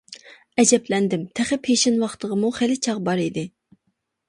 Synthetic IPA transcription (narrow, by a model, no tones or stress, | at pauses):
ɛd͡ʒɛplɛnd̪ɪmt̪ʰæχɪpʰheʃɪnwɑχt̪ʰəʁəmuχelɪt͡ʃʰɑʁbɑɾid̪ɪ